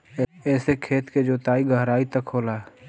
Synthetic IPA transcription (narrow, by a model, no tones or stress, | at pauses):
ɛːsekʰeːt̪ked͡ʒoːt̪aːiɡəɦɾaːit̪ɐkʰɦoːlaːɛ